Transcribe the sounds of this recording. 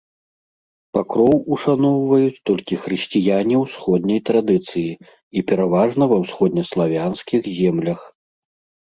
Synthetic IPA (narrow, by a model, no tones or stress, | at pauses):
pakɾɔwuʂanɔwvɐjut͡sʲt̪ɔlʲkʲixɾɨɕsʲt͡sʲijanʲiwsxɔd̪ʲnʲɐjt̪ɾad̪ɨt̪sɨji | ipʲɛɾavaʐnɐvɐwsxɔd̪̚ʲnʲɛslˠavʲanskʲixzʲɛmlʲɐx